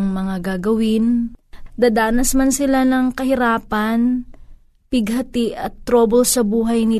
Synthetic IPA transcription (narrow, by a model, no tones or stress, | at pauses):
ŋmɐŋaɡaːɡɐwɪnd̪ad̪aːnɐsmɐnsɪlanɐŋkɐhɪɾaːpɐn | pɪɡɦɐt̪ɪʔɐt̪ːɾoːbolsɐbuːɦɐjnɪ